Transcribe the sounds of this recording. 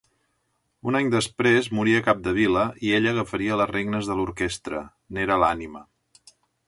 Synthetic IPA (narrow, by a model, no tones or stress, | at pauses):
unaɲd̪əspɾezmuɾiəkap̚d̪əβ̞iləʔieʎəɣəfəɾiələreɡnəzðəluɾkest̪ɾə̰ | neɾəlanimə